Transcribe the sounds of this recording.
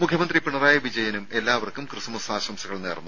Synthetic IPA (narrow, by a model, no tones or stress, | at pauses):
mukʰjɐmɐnd̪ripiɳɐraːjɐʋid͡ʑɐjɐnume̞lːaːʋɐrkumkrɨsɐmusaːɕɐmsɐɣɐɭneːrnːu